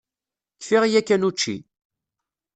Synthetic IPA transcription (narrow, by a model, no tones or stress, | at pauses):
kfiʁjækːænut͡ʃːḭ